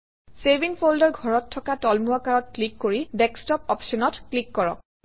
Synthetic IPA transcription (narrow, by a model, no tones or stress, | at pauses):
sebiŋpʰoldɔɹɡʱɔɹɔtʰːɔkatɔlmuɔkaɹɔt̚klikːoɹidɛkstɔpɔpʃɔnɔtklikːɔɹɔ̰k̚